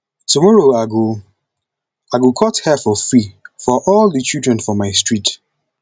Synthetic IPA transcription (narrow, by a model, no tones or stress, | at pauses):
tumɔɹoaɡu | aɡukʰɔthɛfɔfɹifɔʔɔldət͡ʃildɹɛ̃nfɹɔ̃mːaɪstɹ̥it